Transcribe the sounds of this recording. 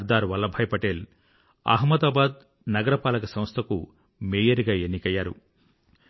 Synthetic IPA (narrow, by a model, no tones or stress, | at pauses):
ɾd̪aːɾʋɐlːɐbʱɐjpɐʈel | ɐ̰ːɦmɐd̪aːbaːd̪̚ | nɐɡɐɾɐpaːlɐkɐsɐmst̪ʰɐkṵ | meːjɐɾɡaːenːikɐjːaːɾṵ